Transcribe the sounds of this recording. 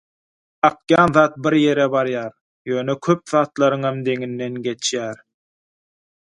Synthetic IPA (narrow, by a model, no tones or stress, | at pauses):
ɑqjɑːnðɑːt̪̚biɾje̞ɾebɑɾjɑːɾ | jøːnekʰøp̚ðɑːt̪lˠɑɾɯŋɑmd̪e̞ŋinːe̞nɡe̞t͡ʃʰjæːɾ